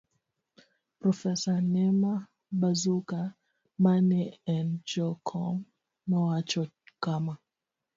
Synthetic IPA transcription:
pɾɔfɛsanɛma | ɓazuka | manɛɛnd͡ʒɔkʰɔmː | ɔwat͡ʃɔ | kama

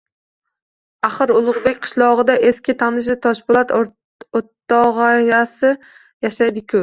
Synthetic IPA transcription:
aχɨɾʊlˠʊʁbekʲqʰɨ̥ʃlˠɒʁɨd̪aʔeskʲʰɪt̪ʰannɪʃ̬ɪt̪ʰɒʃbʊlˠat̪ | ot̪ːɑʁɑjasɪ | jaʃajd̪ɪkʲʰʊ

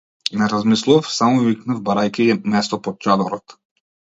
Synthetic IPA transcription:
nɛɾazmislˠuvafsamɔiknavbaɾajkʲiɛmɛst̪ɔpɔt̪̚t͡ʃad̪ɔɾɔt̪

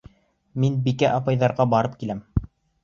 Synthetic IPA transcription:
minbikæʔɑpɑjðɑɾʁɑbɑɾɤp̚kilæm

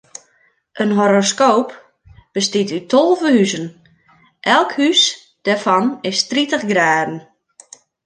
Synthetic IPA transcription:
ʔənɦoɾoskoːp | b̥əstitytʰolˠvəhyzən | ʔɛlˠkhys | d̥ɛfɔnɪstritəχɡraːdən̩

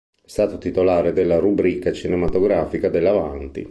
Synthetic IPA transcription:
st̪aːt̪ot̪it̪olaːɾed̪elːaɾubɾiːkat͡ʃinemat̪oɡɾaːfikad̪elːavant̪ḭ

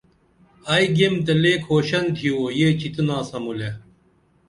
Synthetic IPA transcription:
ɐiɡemt̪ɐleːkʰhoːɕɐnt̪ʰioːjet͡ɕit̪ənaːsɐmule

